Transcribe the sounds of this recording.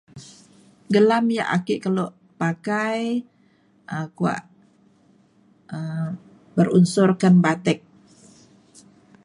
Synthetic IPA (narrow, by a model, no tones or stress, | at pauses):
ɡəlamja̰ʔa̰kɪʔkəloʔ | pakaj | ʔəkua̰ʔ | əm | bərunsɔrkanbat̪ɛk̚